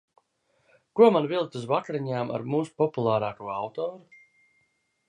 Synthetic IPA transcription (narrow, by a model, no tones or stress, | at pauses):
kuɔmanvilˠt̪uzvakɾiɲaːmʔa̰ɾmuːsu̥pɔpulˠaːɾaːkuɔawt̪ɔːɾu